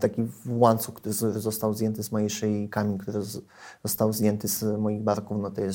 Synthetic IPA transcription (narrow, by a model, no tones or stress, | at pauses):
t̪akʲivwant̪sukt̪uɾɾɘzɔst̪awzjɛnt̪ɘzmɔjɛʂɛjkamʲikt̪uɾɘ | z̥ɔst̪awzjɛnt̪ɘz̥mɔjiɣbaɾkufnɔt̪ɔjɛs